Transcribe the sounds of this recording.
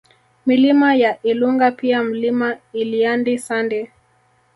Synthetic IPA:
milimajaʔiluŋɡapiam̩limailiandisandɛ

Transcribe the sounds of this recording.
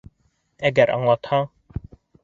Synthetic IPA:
ɛɡæɾʔɑ̰ŋlˠɑt̪hɑ

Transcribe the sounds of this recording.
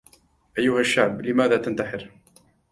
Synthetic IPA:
ʔajːʊhaʃːaʕblɪmaːðaːt̪ant̪aħɪɾ

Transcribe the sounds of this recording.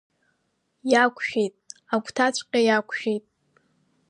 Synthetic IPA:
jakʷʰʃᶣe̞jtʼakʷʰʼtʰat͡ɕʷʰʼqʲʼajakʷʰʃᶣejtʼ

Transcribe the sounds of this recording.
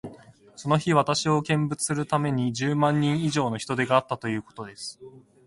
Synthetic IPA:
so̞no̞çiβ̞at̪aɕio̞kẽ̞mbɯt͡sɨ̥sɨɾɯ̟t̪ame̞ɲ̟id͡ʑɨːmãɲ̟ːĩɰ̃iʑo̞ːno̞çi̥t̪o̞d̪e̞ɡaːt̪ːat̪o̞jɯ̟ːko̞̥t̪o̞d̪e̞sɨ̥

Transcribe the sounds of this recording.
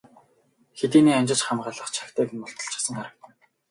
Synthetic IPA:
xet̪iːniːamʲt͡ɕɪ̆t͡ɕχamɢaːɮə̆χt͡ɕʰḁkt̪ʰæːkɘ̆nmʊɬt̪ɞ̆ɬt͡ɕʰḁsə̆ŋχaɾə̆k̚t̪ʰə̆

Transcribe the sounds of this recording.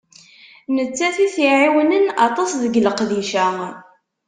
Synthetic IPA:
nət͡sːæθiθiʕiwnənɑt̪ˤɑsðəɡləqðiʃæ

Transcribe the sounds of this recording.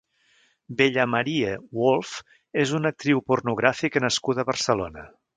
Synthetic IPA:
beʎəməɾiəwolˠf | ezunək̚t̪ɾiwpurnuɣ̞ɾafiknəskut̪əβərsəlo̰nə

